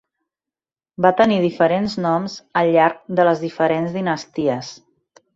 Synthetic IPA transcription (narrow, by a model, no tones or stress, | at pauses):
bat̪əniðifəɾenznɔmzəlʎːaɾk̚d̪ələzðifəɾenzðinəst̪iəs